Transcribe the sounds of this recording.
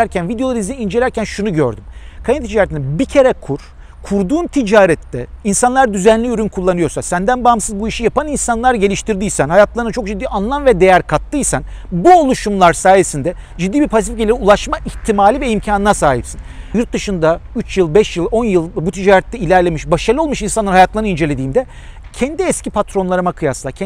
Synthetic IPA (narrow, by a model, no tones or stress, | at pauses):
æɾcʰænvid̪ejoaɾɯiziind͡ʒelʲæɾcʰænʃunuɟø̰ɾd̪ymkʰajnet̪ʰid͡ʒaːɾɛt̪inɛbicʰe̞ɾɛkʰuɾ̥ | kʰuɾd̪uːnt̪ʰid͡ʒaːɾɛt̪ːɛinsanlˠaɾd̪yzænlʲiyɾynkʰulˠːanɯjo̞ɾsasænd̪ænbaamsɯzbuiʃijapaninsanlˠaɾɟe̞lʲiʃt̪ʰiɾd̪ijsænhajat̪ʰlˠaɾnt͡ʃʰo̞k̚d͡ʒid̪ːiːanlˠanvɛd̪e̞jæɾkʰat̪ːɯjsænbuolˠuʃumlˠaɾsaːjesind̪ɛ | d͡ʒid̪ːiːbiɾpʰas̬ifɟelʲiɾiulˠaʃmaʔiçt̪ʰimaːlʲivɛimcʰaːnɯnasaːɦipsinjuɾt̪̚d̪ɯʃɯnd̪ayt͡ʃjɯlˠbɛʃjɯlˠo̞njɯlˠbut̪ʰid͡ʒaːɾɛt̪ːɛilʲæɾlʲe̞miʃbaʃaɾlˠɯo̞lˠmuʃinsanˠaɾhajat̪ʰlˠaɾnɯind͡ʒe̞lʲe̞d̪iːmd̪ɛ | cʰɛnd̪iɛscipʰat̪ɾo̞nlˠaɾɯmakʰɯjaslˠacʰɛ